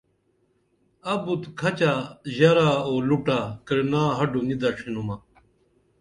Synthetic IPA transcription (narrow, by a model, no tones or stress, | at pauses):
ɐbut̪kʰɐt͡ɕaːʑɐɾaːoːluʈaːkɐɾnaːɦɐɖunid̪aʈ͡ʂʰinumaː